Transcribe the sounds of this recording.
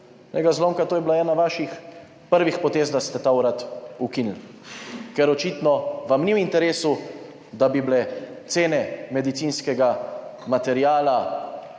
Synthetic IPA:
nɛ̰ɡazlomkat̪oːjɛbilaɛːnaʋaːʃix | pəɾʋixpɔt̪eːzd̪ast̪ɛt̪awɾat̪ukinl̩ | kɛɾɔt͡ʃit̪nɔʋamniwint̪ɛɾeːsu | d̪abiblɛt̪seːnɛmɛd̪it̪siːnskɛɡamat̪ɛɾiaːla

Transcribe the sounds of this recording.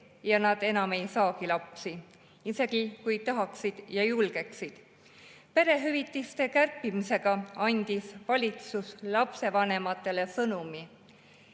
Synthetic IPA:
jɑnɑd̪̥e̞nɑme̞jsɑːkilɑpsi | ise̞ɡ̥ikujt̪ɑɦɑksid̪̥jɑjulɡ̥e̞ksid̪̥ | pe̞ɾe̞ɦyvit̪ːˑist̪e̞kærpːˑimise̞ɡ̥ɑɑnʲd̪̥isvɑlʲit̪suslɑpse̞vɑne̞mɑt̪ːˑe̞le̞sɤnumi

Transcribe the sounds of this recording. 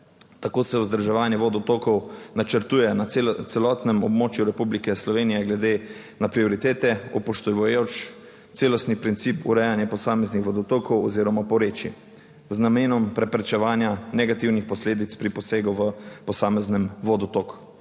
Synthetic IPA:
t̪akoːsɛwzd̪əɾʒɛʋaːnjɛʋod̪ɔt̪okɔwnat͡ʃəɾt̪uːjɛnat̪sɛlɔt̪nɛmɔbmoːt͡ʃjuɾɛpublikɛslɔʋeːnijɛɡlɛd̪e | napɾiɔɾit̪eːt̪ɛɔpɔʃt̪ɔʋojot͡ʃ | t̪seːlɔst̪nipɾint̪sipṵɾɛjanjɛpɔsaːmɛznixʋɔd̪ɔt̪oːkʰɔwɔ̰ziːɾɔmapɔɾeːt͡ʃḭ | znameːnɔmpɾɛpɾɛt͡ʃɛʋaːnjanɛɡat̪iwnixpɔsleːd̪it̪spɾipɔseːɡuʋəpɔsaːmɛznɛmʋod̪ɔt̪ok

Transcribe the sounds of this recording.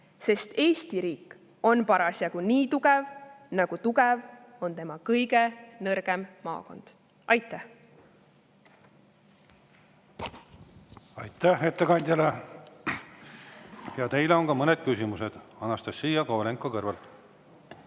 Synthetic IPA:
se̞st̪e̞ːst̪iɾiːkːˑ | o̞npɑɾɑsjɑɡ̥uniːt̪uɡɛvnɑɡ̥ut̪uɡ̥ɛvo̞nt̪e̞mɑkɤjɡe̞nɤrɡ̥emːɑ̰ːko̞̰nd̪̥ | ɑjt̪ːˑæh | ɑjt̪ˑːæhet̪ːˑekɑnʲd̪̥ʲɑle | jɑt̪e̞jleo̞ŋkɑmɤned̪̥̚kysimused̪̥ɑnɑst̪ɑsːiːjɑkoleŋkːˑokɤrvɑlt̪

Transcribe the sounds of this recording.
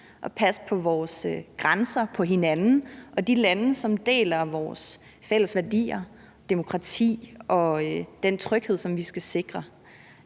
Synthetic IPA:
ʔɒ̽pʰæspʰɒ̽ʋɒːsɡ̥ʁansɐpʰɒ̽ɦe̝nænn̩ʔɒ̽d̥ilænəsɒ̽md̥e̝̰ːlɐʋɒːs | fel̰əsʋæɐd̥ḭːɐ | d̥emo̝kʰʁɑ̈t͡sʰḭːʔɒ̽d̥ent͡sʰʁœɡ̥he̝ð̰ˠsɒ̽mʋisɡ̥æse̝ɡ̥ʁɐ

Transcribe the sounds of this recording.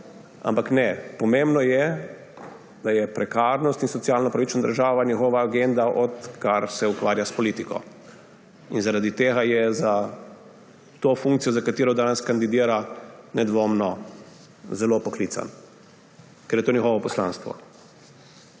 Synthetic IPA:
a̰mpaknɛpɔmẽmbnɔjɛ | d̪ajɛpɾɛkaɾnɔst̪insɔt̪sijaːlnɔpɾaʋit͡ʃnad̪ə̰ɾʒaːʋanʲixɔʋaːɡend̪aʔɔt̪kaɾsɛukʋaːɾjaspɔlit̪ikɔ̰ | inzaɾad̪it̪eːɣajɛza | t̪ofũŋkt̪sijɔzakat̪iːɾɔd̪aːnɛskand̪id̪iːɾanɛd̪ʋoːmnɔ | zɛlopɔkliːt̪sa̰n | kɛɾjɛt̪oːnjɛxoʋɔpɔsla̰nst̪ʋɔ̰

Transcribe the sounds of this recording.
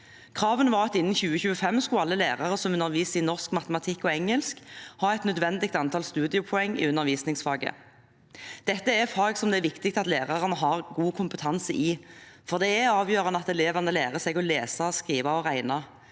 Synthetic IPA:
kʰʁɑːʋənʋɑːʁɑt̪ɪnːn̩çʉːəçʉːəfɛmːskʊɑlːəlæːʁɑʁəsɔmʉnːəʁʋiːsɪnɔʁskmɑt̪əmɑt̪ʰɪkːɔɛŋːəlskhɑːɛt̪nœd̪ʋɛnd̪ɪɡt̪ɑnt̪ʰɑːlst̪ʉːd̪ɪʊpʰʊɛŋːɪ̰ʉnːəʁʋiːsnɪŋsfɑːɡə̰ | d̪̥ɛt̪ːəæfɑːɡsɔmd̪ɛɾʋɪkt̪ɪk̚t̪ɑt̪leːʁɑʁənəɦɑʁɡuːkʰʊmpət̪ʰɑnsəʔɪfɔʁd̪ɛæɑːʋjøːʁɑnəɑt̪ɛleːʋɑnəlæːʁəsɛɡɔleːsɑskʁiːʋɑɔʁæɪnɑ

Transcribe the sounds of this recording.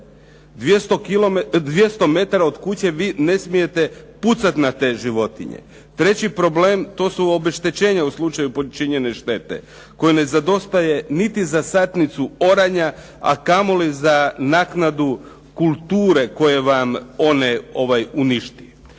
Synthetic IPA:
d̪jest̪okilod̪ʋje̞st̪o̞me̞t̪aɾao̞d̪kut͡ɕe̞ʋiːne̞smije̞t̪e̞put̪sat̪nat̪e̞ʒiʋo̞t̪ḭɲḛ | t̪ɾe̞t͡ɕipɾo̞ble̞ːmt̪o̞ːsuo̞be̞ʃt̪e̞t͡ɕeːɲauslˠut͡ʃajupot͡ʃiɲe̞ne̞ʃt̪e̞t̪ḛ | ko̞jene̞zad̪o̞st̪aje̞nit̪izasat̪nit̪suo̞ɾaɲa | a̰kamo̞lizanaːknad̪u | kulˠt̪uːɾe̞ko̞je̞ʋamo̞ne̞o̞ʋajuniʃt̪i

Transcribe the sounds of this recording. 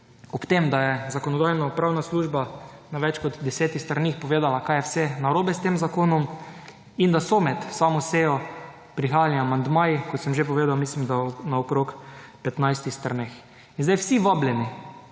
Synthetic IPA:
ɔpt̪emd̪ajɛzakɔnɔd̪ajnɔpɾawnasluːʒbanaʋɛt͡ʃkɔd̪d̪ɛsɛːt̪ist̪ɾanixpɔʋeːd̪alakajɛwsɛnaɾoːbɛst̪eːmzakoːnɔm | ind̪asɔmɛt̪samɔseːjɔ | pɾixaːjaliamand̪maːjikɔt̪sɛmʒep̬ɔʋeːd̪awmislimd̪anaokɾokpɛt̪najst̪ixst̪ɾnex | inzd̪ajwsiʋablʲɛni

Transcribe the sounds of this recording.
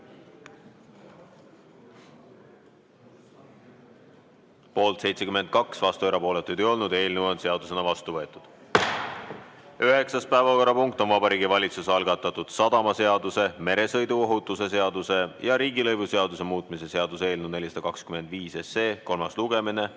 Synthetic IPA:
po̞ːlt̪se̞jt̪se̞kyme̞n̚kɑksvɑst̪ueɾɑpo̞ːle̞t̪ːˑujd̪ejo̞lnud̪e̞ːlnewonse̞ɑd̪use̞nɑvɑst̪uvɤet̪ːˑud̪̥ | yɦe̞ksɑs̚pæevɑko̞rːɑpuŋk̚t̪o̞nvɑbɑɾiːɡ̥ivɑlʲit̪susɑlɡ̥ɑt̪ːˑɑt̪ːˑud̪̥sɑd̪̥ɑmɑse̞ɑd̪use̞me̞ɾe̞sɤ̞jd̪uo̞ɦut̪ːˑuse̞se̞ɑd̪use̞jɑɾiːɡilɤjvuse̞ɑd̪use̞muːt̪ˑmise̞se̞ɑd̪use̞ːlnud̪nelisɑd̪̥ɑkɑkskyme̞nd̪viːse̞seːko̞lmɑsluɡ̥e̞mine̞

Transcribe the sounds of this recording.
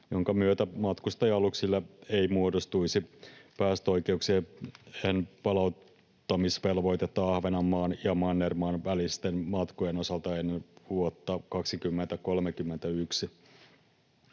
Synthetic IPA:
joŋkɑmyøt̪æmɑt̪kust̪ɑjɑluksilːɑeimuodost̪uisipæːst̪o̞jkeukseeːenpɑlɑut̪ː | ɑmisʋelʋo̞it̪et̪ːɑɑhʋenɑmːɑːnjɑmɑnːermɑːnʋælist̪enmɑt̪kojeno̞sɑlt̪ɑenːʋuot̪ːɑkɑksikymːent̪ækolmekymːent̪æyksi

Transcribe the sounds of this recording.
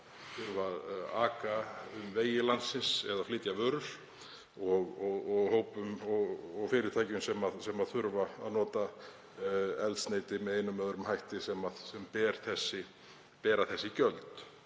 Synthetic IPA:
θʏɾvaðaːkaʏmveːjɪlant̪sːɪnsɛðafliːt̪javœːɾʏɾ̥ | ɔɣɔɣɔɣhoːwpʏmɔɣɔɣfɪːɾɪɾt̪ʰaːjcʏmsɛmaðsɛmaðθʏɾvaa̰ðnɔːt̪a | ɛlt̪sneːjt̪ɪmɛðeːjnʏmːœðʏɾʏmhajht̪ɪsɛmaðsɛmpɛːɾ̥θɛsːɪ | pɛːɾaθɛsːɪcœlt̪

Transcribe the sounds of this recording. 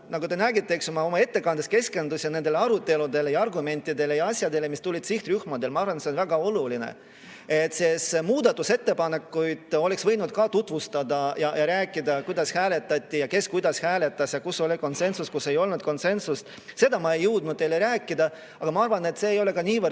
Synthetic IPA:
nɑɡut̪e̞næːɡit̪ːˑe̞kso̞mɑo̞mɑe̞t̪ːe̞kɑnd̪eske̞ske̞nd̪usjɑnend̪e̞leɑɾut̪ːˑe̞lud̪e̞le̞jɑɑrɡume̞nʲt̪ːˑid̪e̞lejɑɑsʲjɑd̪e̞le̞mist̪ulʲid̪̥siht̪ryhmɑd̪e̞lmɑɑrvɑnsenvæɡ̥ɑo̞lulinḛ | et̪ːsesmuːd̪ɑt̪ːˑuse̞t̪ːe̞pɑne̞kːujd̪̥o̞le̞ksvɤ̞jnud̪̥kɑt̪ut̪vust̪ɑd̪ɑjɑjɑɾæːkːˑid̪ɑkujd̪̥ɑshæːle̞t̪ːˑɑt̪ʲːˑijɑke̞skujd̪ɑshæːle̞t̪ːˑɑsjɑkusːo̞lʲiko̞nse̞nsuskusːe̞jo̞lnud̪̚ko̞nse̞nsust̪ | se̞d̪̥ɑmɑe̞jːɯwd̪̚nud̪̚ejleɾæːkˑːid̪ɑ | ɑɡ̥ɑmɑɑrvɑne̞t̪se̞ːjo̞le̞kɑniːvər

